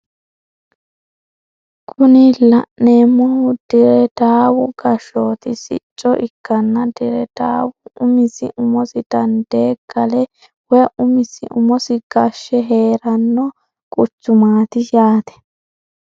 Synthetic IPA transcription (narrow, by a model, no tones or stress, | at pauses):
kʰʊnɪlɐʔneːmːɔhʊd̪̥ɪɾɛd̪̥aːwʊɡɐʃo̞ːt̪ɪsɪ̰t͡ʃʼːɔʔɪkːɐnːɐd̪ɪɾɛd̪̥a̰ːwʊʊmɪsɪ̰ʔʊmɔsɪd̪̥ɐnd̪eːɡːɐlɛ | wɛʔʊmɪsɪ̰ʔʊmɔsɪɡ̥ɐʃːɛɦe̞ːɾɐnːɔ | kʼʊt͡ʃːʊmaːt̪ɪjaːt̪ɛ̥